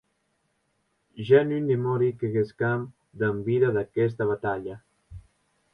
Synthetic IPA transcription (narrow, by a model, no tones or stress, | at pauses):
ʒanynd̪imoɾikeɣeskam | d̪əmbiðaðakɛs̬t̪aβat̪aʎa